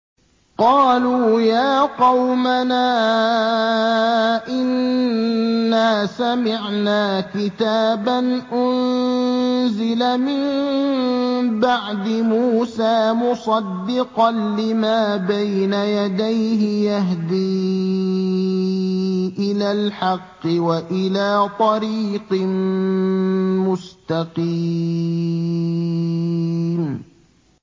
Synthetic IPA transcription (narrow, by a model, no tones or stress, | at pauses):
qɑːluːjaːqɑwmanaː | ʔɪnː | aːsamɪʕnaːkɪt̪aːbanʔʊn | zɪlamɪm | baʕd̪ɪmuːsaːmʊsˤɑd̪ːɪqɑnlɪmaːbajnajad̪ajɦɪjaɦd̪iː | ʔɪlaːlħɑqːɪwaʔɪlaːt̪ˤɑɾiːqɪ | mʊst̪aqiː | m